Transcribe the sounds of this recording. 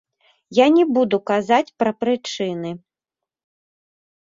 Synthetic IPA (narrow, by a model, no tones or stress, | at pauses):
janʲɛbud̪ukazat͡sʲpɾɐpɾɨt͡ʂɨnɨ